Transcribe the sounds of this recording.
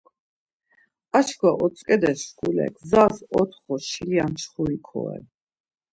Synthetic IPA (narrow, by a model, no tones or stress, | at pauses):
at͡ʃkʰwaʔɔt̪sʰʼkʼɛd̪ɛsʃkʰulɛ̰ɡzasɔt̪ʰχɔʃiliant͡ʃχuikʰɔ̰ɛ̰